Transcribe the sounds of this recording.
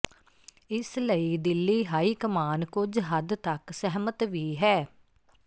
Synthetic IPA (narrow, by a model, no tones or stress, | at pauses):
ɪsləid̪ɪlːiːɦaːiːkəmaːnkʊd͡ʒɦəd̪t̪əksɛɦmət̪ʋiːɦɛː